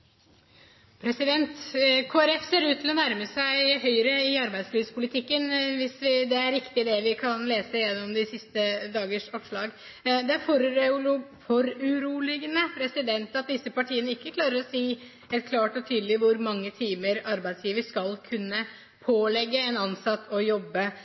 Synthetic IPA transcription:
pʰɾɛsɪd̪ɛnt̪kʰoːæɾɛfseːɾʉːt̪ʰːɪlɔnæɾməsæɪhœʏɾəɪɑɾbæɪd̪sliːʋspʰʊlɪt̪ʰɪkːənʋɪsʋɪd̪ɛæɾɾɪkt̪ɪd̪ɛʋɪkʰɑnleːsəjɛnːɔmd̪ɪsɪst̪əd̪ɑːɡəʂɑpʂɭɑːɡ | d̪ɛæɾfɔɾɾʊlʊfɔɾʉɾuːlɪɡənəpʰɾɛsɪd̪ɛnt̪ɑt̪̚d̪ɪsːəpɑʈʰiːənəɪkːəkʰlɑːɾəɾɔsiː | ɛt̪kʰlɑːʈɔt̪ʰyːd̪əlɪʋʊɾmɑŋːət̪ʰiːməɾɑɾbæɪd̪sjiːʋəɾskɑlkʰʉnːə | pʰoːlɛɡːəɛnɑnsɑt̪ːɔjɔbːə

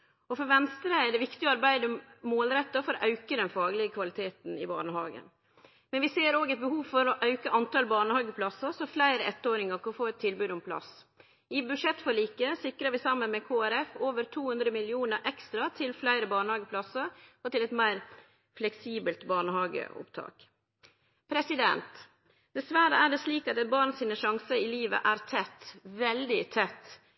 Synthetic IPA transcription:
ɔfɔɾʋɛnst̪ɾəæɖɛʋɪkt̪ɪɔɑɾbæɪd̪əmoːlɾɛt̪ːɑfɔɾɔʔɑʉkəd̪ɛnfɑːɡlɪəkʰʋɑlɪt̪ʰeːt̪n̩ɪbɑ̰ːɳəɦɑːɡə̰n | mɛnʋɪseːɾoːɡɛt̪̚bəɦuːʋfɔɾɔʔɑʉkəʔɑnt̪ʰɑlbɑːɳəhɑːɡəpʰlɑsəsɔflæɪɾəʔɛt̪ːoːɾɪŋɑkʰɑɔfoːɛt̪ʰːɪlbʉːd̪ʊmpʰlɑ̰s | ɪbʉʂɛt̪ːfɔɭiːkəsɪkɾəʋɪsɑmːənmɛkʰoːæɾɛfoːʋəɾt̪ʰuːhʉnd̪ɾəmɪlɪuːnəɾʔɛkst̪ɾɑt̪ʰɪlflæɪɾəbɑːɳəhɑːɡəpʰlɑsəɾɔt̪ɪlɛt̪mæɪɾ | flɛksiːbəlt̪bɑːɳəhɑːɡə̰ʊ̰pt̪ʰɑ̰ːk | pʰɾɛsɪd̪ɛ̰nt̪ | d̪̥ɛsʋæɾəæɖɛsliːkɑt̪ɛt̪̚bɑːɾɳsiːnəʃɑŋsəɪliːʋə̰ʔæɾt̪ʰɛt̪ːʋɛld̪ɪt̪ʰɛt̪ː

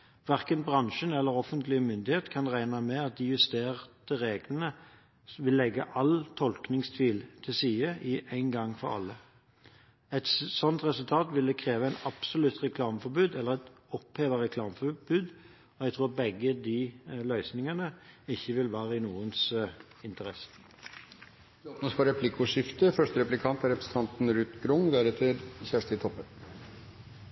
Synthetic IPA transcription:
ʋæʁkənbʁɑŋʃənɛlːəɾɔfənt̪lɪəmʏnd̪ɪheːt̪kʰɑnʁæɪnɑmɛɑt̪̚d̪ɪjʉst̪eːʁt̪əɾeːɡlənə | ʋɪlːɛɡːəʔɑlt̪ʰɔlknɪŋst̪ʰʋiːlt̪ʰɪlsiːəʔɪʔæɪnɡɑŋːfɔʁɑ̰lːə | ɛt̪sɔnt̪ʁɛsʉlt̪ʰɑːt̪ʋɪld̪ɛkʰʁeːʋəæɪnɑpsɔlʉt̪ʁɛkʰlɑːməfɔbʉːd̪ɛlːəʁɛt̪ɔpheːʋəɛkʰlɑːməfɔbʉːd̪ | ɔjɛɡ̚t̪ʰɾuːbɛɡəd̪ilœʏsnɪŋənəɪçːəʋɪlʋæːɾəɪnuːəns | ɪnt̪əɾɛsə̥ | d̪oːpnəspʰɔɾɛpʰlɪkʊʂɪft̪əfœʂʈəɾɛplɪkʰɑnt̪æɾɛpɾəsn̩t̪ʰɑnt̪n̩ɾʉt̪ɡɾʊŋd̪æɾɛt̪ʰəɾçæːʂʈəɪt̪ʰɔpːən

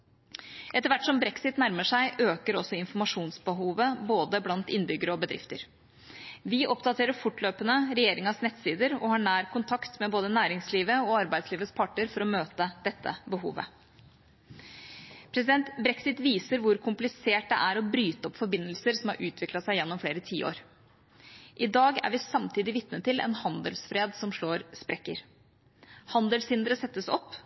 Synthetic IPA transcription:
ʔɛt̪əɾʋæʈːsɔmbɾɛksɪt̪næɾməʂæɪʔøːkəɾɔsːɔɪnfɔɾmɑʂuːnsbəɦuːʋəboːd̪əblɑnt̪ɪnːbʏɡəɾəɔbəd̪ɾɪ̰ft̪əɾ | ʋɪʔɔpd̪ɑt̪ʰeːɾəɾfʊʈːløːpənəɾɛjeːɾɪŋɑsnɛt̪siːd̪əɾɔhɑːɳæːɾkʊnt̪ʰɑkt̪mɛboːd̪ənæːɾɪŋsliːʋəɔɑɾbæɪd̪sliːʋəspʰɑʈːəɾfɔɾɔmøːt̪əd̪̥ɛt̪ʰːə̰bəɦṵːʋə̰ | pʰɾɛsɪd̪ɛnt̪bɾɛksɪt̪ʋiːsəɾʋʊɾkʰʊmplɪseːʈ̚d̪ɛ̰ʔæɾɔbɾyːt̪ɔpːfɔɾbɪnːəlsəɾsɔmhɑ̰ɾʔʉːt̪ʰʋɪklɑtsæɪjɛnːɔmfleːɾət̪ʰiːo̰ːɾ | ʔɪd̪ɑːɡæ̰ɾʋɪsɑmt̪ʰiːd̪ɪʋɪt̪nət̪ʰɪlɛ̰nhɑnd̪əlsfɾeːd̪sɔmʂɭoːɾspɾɛkːəɾ | hɑnd̪əlshɪnd̪əɾəsɛt̪ːəsɔ̰pː

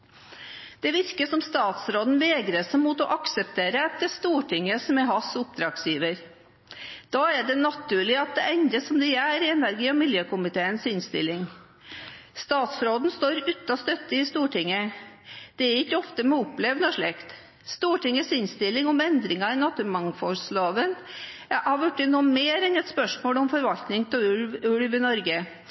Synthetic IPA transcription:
d̪̥ɛʋɪɾkəʂɔmst̪ɑːt̪sɾoːd̪n̩ʋeːɡɾəsmuːt̪ɔʔɑksəp̚t̪ʰeːɾəɛt̪ːəst̪uːʈɪŋːəsmɛɦɑsʊp̚d̪ɾɑksjiːʋəɾ | d̪̥ɑːæɖɛnɑt̪ʰːʉːɭɪɑt̪̚d̪ɛʔɛnd̪ɾəsɔmd̪ɛæɾɪɛnæɾɡiːɔmɪljøːkʊmɪt̪ʰeːənsɪnst̪ɪ̰lːɪŋ | st̪ɑːt̪sfɾoːd̪nst̪oːɾʉt̪ːɑst̪œt̪ːəɪst̪uːʈʰɪŋːə | d̪̥ɛæɾɪkːəɔft̪əmɛʊpːlɛʋnɔʂɭɛkt̪ | st̪uːʈɪŋːəsɪnst̪ɪlːɪŋɔmɛnd̪ɾɪŋɑɪnɑt̪ːʉlmɑŋfɔsloːʋən | hɑɾʋʉʈːɪnːumeːɾɛnɛt̪spœʂmoːlɔmfɔɾʋɑlt̪nɪŋt̪ʰɪʉlʋʉɽʋɪnɔɾɡə

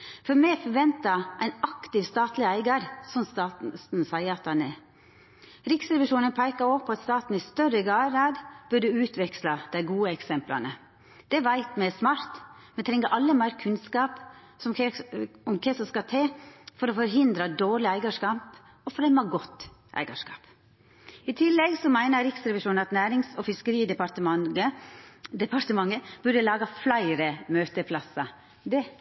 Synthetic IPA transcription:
fɔɾmɛfɔɾʋɛnt̪ɑʔæɪnɑkt̪ɪʋst̪ɑːt̪lɪæɪɡɑɾsɔnst̪ɑːn̩sæɪəɑt̪̚ɑnɛ | ɾɪksɾɛʋɪʂuːnənpʰæɪkɑɾɔpʰːɔɑt̪st̪ɑːt̪n̩ɪst̪œɾəɡɑːɾɑːd̪b̥œɖd̪ʉʉːt̪ʰʋɛkslɑd̪̥æɪɡuːəɛksɛmplɑ̰nə | d̪̥ɛʋæɪt̪mɛsmɑɾt̪mɛnt̪ʰɾɛŋːəʔɑlːəmæɪɾkʰʉnskɑːp | sɔm | ɔmkʰɛsɔskɑt̪ʰeːfɔɾɔfɔɾɦɪnd̪ɾəd̪oːɾɭɪæɪɡəʂkɑːp | ɔfɾɛmːɑɡɔt̪ːʔæ̰ɪɡəʂkɑ̰ːp | ɪt̪ʰɪlːɛɡsɔmæɪnəɾɪksɾɛʋɪʂuːn̩ɑt̪næːɾɪŋsɔfɪskəɾiːd̪ɛpɑt̪əəd̪ɛpɑɾt̪əmɑŋːəb̥ʉɖəlɑːɡɑflæɪɾəmøːt̪əpʰlɑsɑ | d̪ɛ

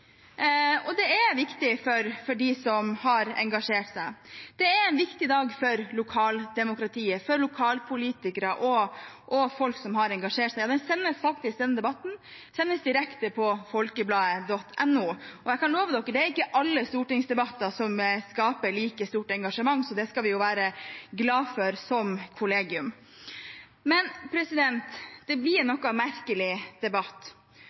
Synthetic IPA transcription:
ɔd̪ɛæʋɪkt̪ɪfɔɾfɔɖɪsɔmhɑɾɛ̰ŋɡɑʂeːʈsæɪd̪̥ɛæɾɛɪnʋɪkt̪ɪd̪ɑːɡfɔɾlʊkʰɑːld̪ɛmʊkɾɑt̪ʰiːəfɔɾlʊkʰɑːlpʰʊliːt̪ɪkəɾɑʔɔ | ʔɔfɔlksɔmɦɑɾɛŋɡɑʂeːʈsæɪɑːd̪ɛnsɛnːəsfɑk̚t̪ɪsd̪ɛnːəd̪ɛbɑt̪ːn̩ | sɛnːəsd̪ɪɾɛkt̪əpʰɔfɔlkəblɑːəd̪ɔt̪ʰːɛnːuːɔjækɑnloːʋəd̪ɔkːəɖ̪ɛæɾɪkːəʔɑlːəst̪uːʈɪŋsd̪ɛbɑt̪ːɑsɔmskɑːpəɭiːkəst̪uːʈɛŋɡɑʂəmɑŋːsɔd̪ɛskɑʋɪjʊʋæːɾəɡlɑːfɔɾsɔmkʰʊleːɡɪʉm | mɛnpʰɾɛsɪd̪ɛnt̪d̪̥ɛblɪɾnnɔkːɑmæɾkəlɪd̪̥ɛbɑt̪ː

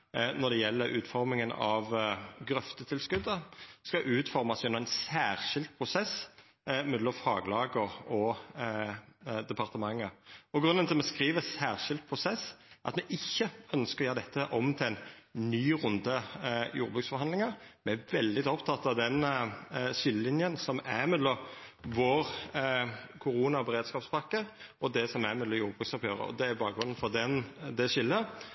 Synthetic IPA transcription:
nɔɾd̪ɛjɛlːəɾʉːt̪fɔɾmɪŋənɑ̰ʋɡɾœft̪ət̪ʰɪlskʉd̪ːəskɑʔʉːt̪fɔɾmɑsɛnʊæɪnsæːʁʃɪld̪̚pʰʁʊsɛs | mɛd̪lɔmfɑːɡlɑːɡəʁɔ | d̪ɛpʰɑʁt̪əmɑŋːəɔɡɾʉnːənʰɪlmɛskɾiːʋəsæːʁʂɪld̪̚pʰʁʊsɛsʔɑ̰t̪mɛʔɪçːəœnskəɾɔjøːʁəd̪ɛt̪ʰːəʔɔmt̪ʰɪlæɪnnyːɾʊnd̪əjuːɾbʉːksfɔɾhɑnlɪŋɑɾmɛæʋɛld̪ɪt̪ɔpt̪ʰɑt̪ːɑʋd̪ɛn | ʃɪlːəlɪnjənsɔmæɾmød̪ləʋoːʁ | kʰʊɾuːnɑbəɾeːd̪skɑːpspʰɑkːəɔd̪ɛsɔmæmɛd̪ləjuːɾbʁʉksɔphøːʁə̰ɔ̰d̪ɛæbɑːk̚ɡɾʁʉnənfɔd̪ɛnd̪ɛʃɪlːə

